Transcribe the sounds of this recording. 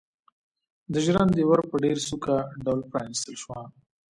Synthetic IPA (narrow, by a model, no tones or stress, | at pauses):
d̪əʒɾand̪ewaɾpəɖeɾsukaɖawlpɾɑ̰nist̪əlʃwa